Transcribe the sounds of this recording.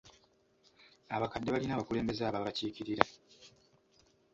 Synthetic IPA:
aβakadːeβalinaːβakule̞ːmbe̞zaːβaβaciːciɾiɾa

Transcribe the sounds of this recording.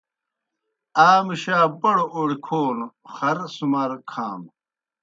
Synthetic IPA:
aːmiɕaːbɐɽoʔoːɽikʰoːn | xɐɾsumɐɾkʰaːm

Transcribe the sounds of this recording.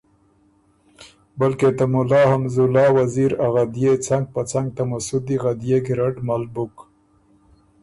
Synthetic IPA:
balket̪amulɑːhamzulɑːwaziɾaɣad̪jet͡saŋɡ̚pat͡saŋɡ̚t̪amasud̪iɣad̪jeɡɪɾaʈmalbʊk

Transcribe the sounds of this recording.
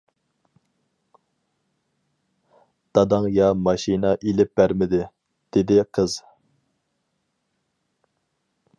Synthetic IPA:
d̪̥ɑd̪ɑŋjɑmɑʃinɑʔilɪp̚bæɾmɪd̪ɪ | d̪̥ɪd̪ɪqʰəz̥

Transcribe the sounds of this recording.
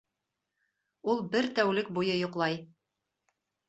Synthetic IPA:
ulˠbɘɾt̪æwlɘk̚bujɤjŏqlˠɑj

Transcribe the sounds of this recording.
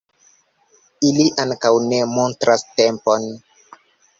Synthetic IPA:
iliʔaŋkawne̞montɾastempon

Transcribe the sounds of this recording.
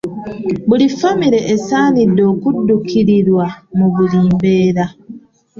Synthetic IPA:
bulifamiɾe̞ʔesaːnido̞ːkudːukʰiɾiɾwamuβuliːmbeːɾa

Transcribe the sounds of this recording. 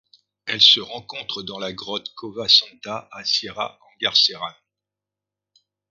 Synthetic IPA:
ɛlsəʁɑ̃kɔ̃t̪χəd̪ɑ̃laɡʁɔt̪kʰɔvasɑ̃t̪aʔasiʁa̰ɑ̃ɡaʁseʁan

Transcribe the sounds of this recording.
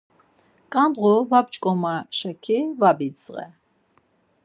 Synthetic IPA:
kʼand̪ʁuvabt͡ʃʼkʼɔmaʃakʰivabit͡sʁɛ̰

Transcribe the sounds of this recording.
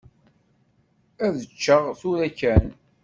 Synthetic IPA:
æðət͡ʃːəʁθuɾækːæn

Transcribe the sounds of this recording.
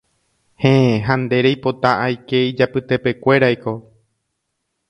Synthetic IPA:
hẽeɦãnd̪e̞ɾejpo̞t̪aʔajke̞id͡ʒapɨt̪e̞pe̞kʷe̞ɾajko̞

